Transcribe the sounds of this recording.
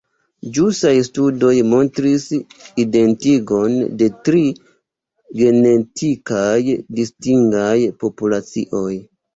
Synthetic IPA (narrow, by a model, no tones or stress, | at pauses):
d͡ʒustajstudo̞jmo̞ntɾiside̞ntiɡo̞nde̞tɾi | ɡe̞ne̞tʰikajdistiŋɡajpo̞pulat͡sḭʔo̞j